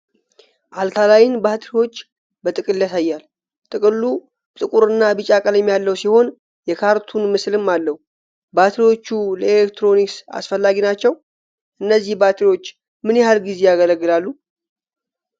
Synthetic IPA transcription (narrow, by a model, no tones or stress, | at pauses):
ʔalk̪ʰalajɪnbat̪ʰɾiwo̞t͡ʃː | bət̪ʼɨkʼɨlːjasajːal | t̪ʼɨkʼɨlːu | t̪ʼɨkʼuɾɨnːabɨt͡ʃʼakʼəljɛmːjalːəwsiho̞n | jɛkʰaɾt̪ʰunmɨslɨmːalːəhu | bat̪ʰɾijwo̞t͡ʃːuləelekt̪ɾo̞niksa̰sfəlːaɡinat͡ʃːɛw | ʔɨnːəzːihbat̪ʰɾiwo̞t͡ʃː | mɨnjɛhalɡize̞jaɡələɡːɨlalːu